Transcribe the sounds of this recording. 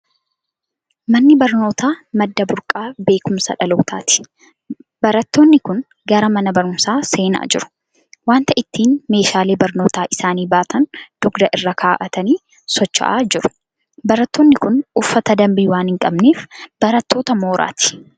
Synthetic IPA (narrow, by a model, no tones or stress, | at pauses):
mɐnːɪbɐɾno̞ːt̪aːmɐd̪ːɐbʊɾkʼaːbe̞ːkʊmsɐ̰ᶑɐlɐːt̪ʰaːt̪ɪ̥ | bɐɾɐt̪ːo̞ːnːɪkʊn | ɡɐɾɐmɐnɐbɐɾʊmsaːse̞ːna̰ːd͡ʒɪɾʊ̥ | waːnt̪ɐʔɪt̪ːiːnme̞ːʃaːleːbɐɾno̞ːt̪aːʔɪsaːniːbaːt̪ɐnd̪̥ʊɡd̪ɐʔɪrːɐkʰaːʔɐt̪ɐniː | sɔt͡ʃːɐ̰ʔa̰ːd͡ʒɪɾʊ̥ | bɐɾɐt̪ːoːnːɪkʊnʊfːɐt̪ɐd̪ɐmbiːwaːnhɪŋkʼɐbneːfb̥ɐɾɐt̪ːo̞ːt̪ɐmoːɾʔa̰ːt̪ɪ̥